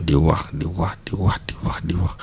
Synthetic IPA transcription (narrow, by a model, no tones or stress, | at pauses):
diwakdiwahdiwahdiwahdiwak